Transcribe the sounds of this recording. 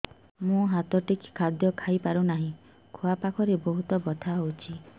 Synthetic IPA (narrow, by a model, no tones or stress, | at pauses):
mũɦat̪ɔʈikkʰad̪jɔkʰajpaɾunaɦĩ | kʰoapakʰɔɾebɔɦut̪ɔbɔt̪ʰaɦowt͡ʃʰi